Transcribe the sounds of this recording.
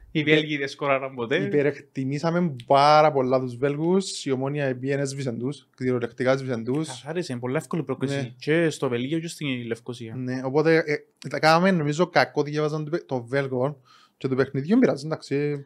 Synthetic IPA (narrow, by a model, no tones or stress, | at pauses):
ivelʝiðeskoɾɐɾɐmbot̪eipeɾekt̪imisɐme̞mpɐɾɐpo̞lːɐt̪uzve̞lɣusiomoniɐepienezvis̬e̞nd̪uskðiɾolekt̪ikaezvis̬end̪ussaɾesempolːɐefkolipɾoklinseit͡ʃest̪ovelʝeocest̪ilːefkosiɐneo̞po̞t̪e̞ | t̪kanɐmenːomizo̞kɐkːo̞ðjevɐzɐnt̪t̪o̞ve̞lɣon | cet̪upexniðjuembiɾɐzːend̪aksi